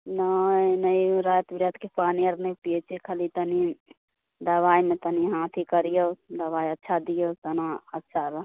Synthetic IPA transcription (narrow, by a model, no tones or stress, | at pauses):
nənəiɾajt̪bɾet̪kepaniəɾnepiet͡ʃʰekʰəlit̪əni | d̪əbajmet̪əniɦãt̪ʰikəɾijod̪əbaiətːʃʰad̪ijot̪ənaətːʃʰaɾ